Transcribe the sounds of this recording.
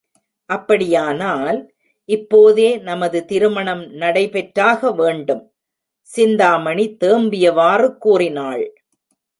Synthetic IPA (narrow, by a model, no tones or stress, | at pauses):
ʔɐpːɐɽɪjaːnaːl | ʔɪpːoːðeːnɐmɐðɯt̪ɪɾɯmɐɳɐmnɐɽɐɪpɛʈɾaːɣɐʋeːɳɖɯm | sɪnd̪aːmɐɳit̪eːmbɪjɐʋaːrɯkːuːrɪnaːɭ